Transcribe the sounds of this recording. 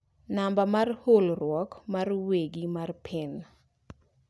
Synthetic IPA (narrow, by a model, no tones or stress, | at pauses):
nambamarholrwɔkmarweɡimarpʰɪn